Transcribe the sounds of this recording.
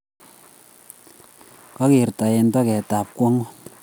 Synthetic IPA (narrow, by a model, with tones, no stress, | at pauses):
ka˦ke˨rta˨je˧nta˦kɛ˨ta˨p̚kwɔ˦ŋo˦